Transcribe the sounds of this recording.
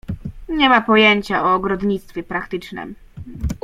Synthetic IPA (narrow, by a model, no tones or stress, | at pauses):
ɲɛmapɔjeɲt͡ɕaɔːɡɾɔd̪ɲit̪st̪fʲjɛpɾakt̪ɘt͡ʂnɘ̰m